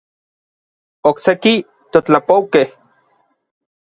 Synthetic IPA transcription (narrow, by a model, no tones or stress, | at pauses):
okseki | t̪ot͡ɬapowkeh